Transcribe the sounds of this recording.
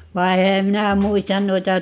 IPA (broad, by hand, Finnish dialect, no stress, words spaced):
ʋɑi̯ ehæ minæ muistɑn nuitɑ